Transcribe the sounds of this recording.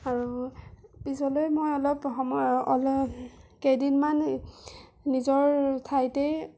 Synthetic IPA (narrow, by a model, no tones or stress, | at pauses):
aɹu | pisɔlojmojɔlɔpɔml | kejdinman | nizɔɹtʰajtej